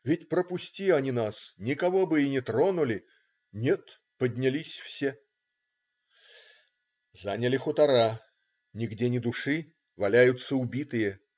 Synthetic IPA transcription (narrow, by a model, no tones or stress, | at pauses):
vʲɪtʲpɾəpʊsʲtʲiɐnʲinasnʲɪkɐvo̞bɨɪnʲɪt̪ɾo̞nʊlʲɪ | nʲet̪ | pədʲnʲɪlʲisʲfsʲe | zanʲəlʲɪxʊt̪ɐɾa | nʲɪɡdʲenʲɪd̪ʊʂɨ | vɐlʲæjʊt̪sːəʊbʲit̪ɨjə